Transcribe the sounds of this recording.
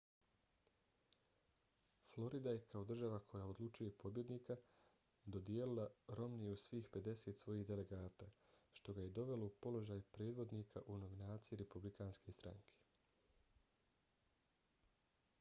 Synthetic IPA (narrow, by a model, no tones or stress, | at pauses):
flˠo̞ɾid̪aje̞kʰao̞d̪r̩ʒaʋakʰo̞jao̞d̪lˠut͡ʃujepo̞bje̞d̪niːka | d̪o̞d̪jeːlilˠaɾo̞mnijusʋiːxpe̞d̪e̞se̞t̪sʋo̞jiːhd̪e̞le̞ɡaːt̪aːʃt̪o̞ɡaje̞d̪o̞ʋe̞lo̞upo̞lo̞ʒaːjpɾe̞ːd̪ʋo̞d̪niːkʰaʔuno̞ʋinaːt̪sijiɾe̞publikaːnske̞st̪ɾa̰ŋkʰe̥